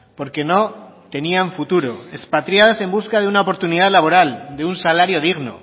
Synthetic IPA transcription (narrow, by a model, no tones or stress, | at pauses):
po̞ɾke̞no̞t̪e̞niaɱfut̪uɾo̞e̞spat̪ɾjaðase̞mbuskaðeunaopo̞ɾt̪uniðaðlaβ̞o̞ɾald̪e̞unsalaɾjo̞ðiɣno̞̰